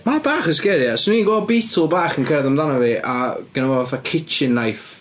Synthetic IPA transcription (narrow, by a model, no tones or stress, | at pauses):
marbaːχəskɛɾjasniːɡwɔbiːtʰəlˠbaːχənkʰɛɾaðəmdanɔviʔaɡ̥ənavɔvaθakʰɪt͡ʃɪnːajf